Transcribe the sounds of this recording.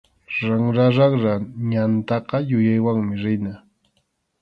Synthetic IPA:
ɾaŋɾaɾɑχɾaɲant̪ɑqɑjʊjajwaŋmɪɾɪna

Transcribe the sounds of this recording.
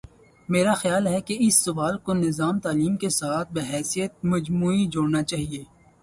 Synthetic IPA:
meːɾaxjaːlɦɛkeɪsːʊʋaːlkonɪzaːmt̪aːliːmkesaːt̪̚ʰbeɦɛːsijət̪̚mɐd͡ʒmuːid͡ʒoːɽnat͡ʃaːɦieː

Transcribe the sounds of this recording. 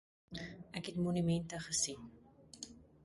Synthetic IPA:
ʔækɦɛtmonymɛntəχəsin

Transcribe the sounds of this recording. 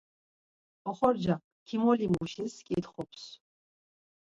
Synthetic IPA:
ɔχɔɾd͡ʒa | kʰimɔlimuʃiskʼit̪χɔpʰs

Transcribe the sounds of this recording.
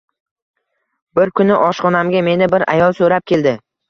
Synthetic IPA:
bɪɾkʰʊnɪʔɒʃqɒnamɡʲame̞nɪbɪɾa̰jɒlˠsɵɾap̚kʲe̞ld̪ɪ

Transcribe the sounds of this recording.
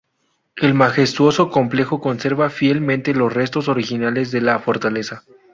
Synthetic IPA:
e̞lmaxe̞st̪wo̞so̞ko̞mple̞xoko̞nse̞ɾβafje̞lmẽnt̪e̞lo̞sre̞st̪o̞so̞ɾixinale̞zðe̞lafo̞ɾt̪alesa

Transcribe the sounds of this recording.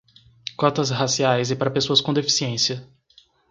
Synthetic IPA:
kɔt̪ɐzɦasiajzɪpaɾɐpesoɐskõd̪efi̥siẽsiɐ

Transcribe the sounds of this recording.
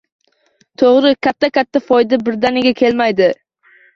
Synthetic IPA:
t̪ʰoʁɾɪkʲʰat̪ʰːakʲat̪ʰːafɒjd̪abɪɾd̪anɪɡʲakʲʰe̞lmajd̪ɪ

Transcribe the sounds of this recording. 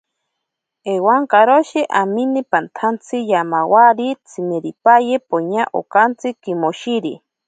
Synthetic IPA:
ewaŋkaɾoʃeʔaminepant̪ʰant͡sʰijamawaɾit͡sʰimeɾipajepoɲaʔo̰kant͡sɨkimoʃiɾi

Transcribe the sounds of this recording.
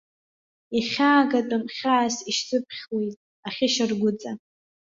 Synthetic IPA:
iχʲaːɡatʼʊmχʲaːsiʃzʼɨp̚ʰχʲwejtʼ | aχʲɪʃarɡʷʊt͡sʼa

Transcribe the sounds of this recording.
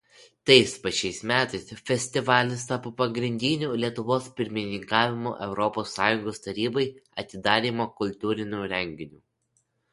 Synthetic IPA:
t̪ɐɪspɐt͡ʃʲɛɪsmʲæːt̪ɐɪsfʲɛsʲt̪ʲɪʋɑːlʲɪs̬t̪ɑːpopɐɡɾʲɪnʲd̪ʲɪnʲuːlʲiɛt̪ʊʋoːspʲɪɾʲmʲɪnʲɪŋkɑːʋʲɪmo̰ːʔɛʊɾɔpoːsːɑːjʊŋɡoːst̪ɐɾʲiːbɐɪɐt̪ʲɪd̪ɑːɾʲiːmoːkʊlʲt̪ʲuːɾʲɪnʲuːɾʲɛŋʲɡʲɪnʲuː

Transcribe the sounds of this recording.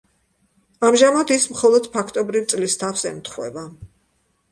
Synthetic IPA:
amʒamad̪ismχɔlˠɔd̪̥pʰakʰt̪ʼɔbɾivt̪sʼlist̪ʰafsɛ̰mt̪ʰχwɛ̰ba

